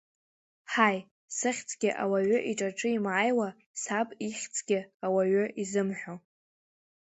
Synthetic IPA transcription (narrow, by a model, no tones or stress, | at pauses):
ħaj | sɨχʲt͡sʰʼɡʲɪʔa̰waɥʷʊʔiʈ͡ʂʼaʈ͡ʂʼɨimʕajwa | sapʼiχʲt͡sʰʼɡʲɪawaɥʊʔizɨmħʷᶣo